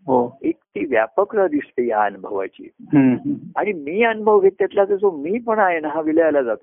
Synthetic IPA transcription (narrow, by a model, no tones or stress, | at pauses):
ɦoekt̪iːʋja̰pəkɾəd̪ist̪ejaənubʱəʋa̰t͡ɕḭːɦə̃aɽ̃imiːənubʱəʋɡʱet̪ːjat̪lad͡zəsomiːpəɳaɦenaɦãʋiləjalad͡zat̪o